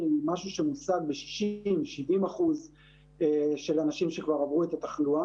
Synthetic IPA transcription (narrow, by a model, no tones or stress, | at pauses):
imaʃuʃemusaɡ̚beʃi̥ʃimʃivimaχuz | eʃe̞lanaʃimʃekvaʁavʁuet̪at̪aχlua